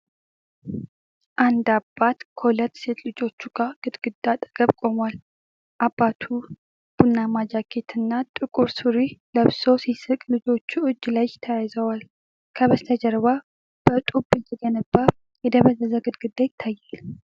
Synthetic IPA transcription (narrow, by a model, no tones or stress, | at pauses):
ʔand̪abːat̪kʰəhulət̪ːse̞t̪lɨd͡ʒo̞t͡ʃːuɡaɡ̥ɨd̪ɡ̥ɨd̪ːat̪ʼə̥ɡ̥əβkʼo̞mwal | ʔabːat̪ʰu | b̥unːamad͡ʒakʰe̞t̪ʰɨnːat̪ʼɨkʼuɾsɨɾiləβso̞sisɨkʼlɨd͡ʒo̞t͡ʃːuɨd͡ʒːlajɪt̪ʰəjajzəwal | kʰəβəst̪ʰəd͡ʒəɾβa | b̥ət̪ʼubːɨd͡ʒɛd̪ɛnəbːa | jɛd̪əβəzəzəɡɨd̪̚ɡɨd̪ːajɪt̪ʰːajːal